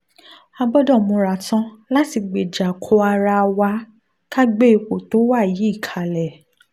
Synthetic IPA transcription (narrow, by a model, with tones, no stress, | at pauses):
a˧bɔ˦dɔ̃˦˨mũ˧ɾa˨tã˦la˦ti˧ɡ͡be˨d͡ʒa˨kʰɔ˧a˧ɾa˧wa˧˦ | ka˦ɡ͡be˦i˨ko˨to˨˦wa˦˨ji˨˦i˦˨kʰa˨lɛ˨